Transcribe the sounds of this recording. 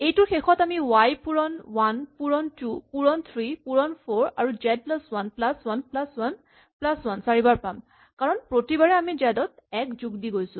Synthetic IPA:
ejtʊɹxexʰɔtamiwajpuɹɔnwanpuɹɔntupuɹɔnt̪ʰɹipuɹɔnpʰoɹaɹuzɛd̚plaswanplaswanplaswan | plaswansaɹibaɹpam | kaɹɔnpɹotibaɹɛamizadɔtɛkzuɡdiɡojsʊ̃

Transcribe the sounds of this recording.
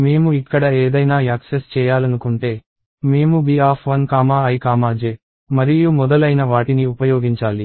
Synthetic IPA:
meːmuikːɐɽɐeːd̪ɐjnaːaːksest͡ʃɛːjaːlɐnukuɳʈe̞ː | meːmubiːaːpʰʋɐnkaːmaːɐjkaːmaːd͡ʒe̞ː | mɐɾijumɔd̪ɐlɐjnɐʋaːʈiniupɐjoːɡiɲt͡ʃaːli

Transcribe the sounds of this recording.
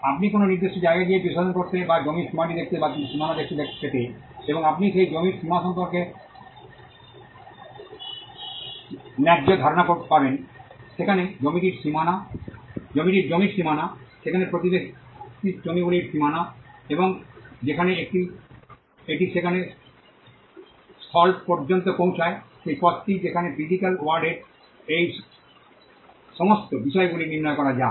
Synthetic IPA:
apnikononiɾd̪eʃod͡ʑaeɡad̪iebiʃaʃonkoɾt̪ebad͡ʑomiɾʃimaʈid̪ek̚t̪ebaʃimanad̪ek̚t̪ed̪eet̪eeboŋapniʃejd͡ʑomiɾʃimaʃɔmpoɾke | nɛɡd͡ʑod̪ʱaɾonakoɾepabenʃekʰaned͡ʑomiʈiɾʃimana | d͡ʑomiʈiɾd͡ʑomiɾʃimanaʃekʰanepɾot̪ibe | id͡ʑomiɡuliɾsimanaeboŋd͡ʑekʰaneekʈi | eʈiʃekʰane | st̪ʰɔlʈpɔɾd͡ʑont̪okõw̃t͡ʃʰaeʃejpɔt̪ːid͡ʑekʰanepɾiɖikalwaɾɖeɾ | ej | ʃɔmost̪obiʃɔeɡuliniɾnɔekɔɾad͡ʑa

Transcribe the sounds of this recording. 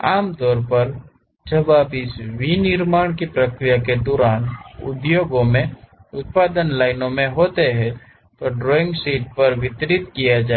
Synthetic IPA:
aːmt̪ɔːɾpɐɾ | d͡ʒɐbabɪsʋinɪɾmaːɽ̃kipɾəkɾijaked̪ɔːɾaːnʊ̰d̪joːɡõmẽʊt̪̚paːd̪ənlaːɪnõmẽɦoːt̪eɦɛ̃ | t̪oɖɾɔːɪ̃ŋɡsiːʈ̚pɐɾʋɪt̪ɾɪt̪kijad͡ʒaː

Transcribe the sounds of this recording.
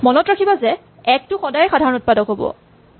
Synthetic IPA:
mɔnɔtɹakʰibazɛ | ɛk̚tʊxɔdajxadʱaɹɔnut̚padɔkɦobɔ̰

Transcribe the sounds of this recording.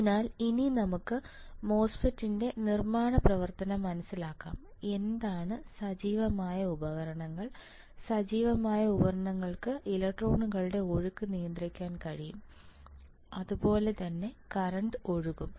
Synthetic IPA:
naːlininɐmukːɨ | mo̞ːsfɐtːinde̞nirmaːɳɐprɐʋɐrt̪ɐnɐmːɐnɐsːilaːkːa̰ːm | e̞nd̪aːɳɨsɐd͡ʑiːʋɐmaːjɐubɐɣɐɾɐɳɐŋːɐɭ | sɐd͡ʑiːʋɐmaːjɐubɐɾɐɳɐŋːɐɭkɨʔilɐk̚ʈro̞ːɳuɣɐɭuɽe̞o̞ɻukːɨnijɐnd̪rikʲːaːnkɐɻijum | ɐðubo̞ːle̞t̪ɐnːe̞kɐrɐɳɖo̞ɻuɣum

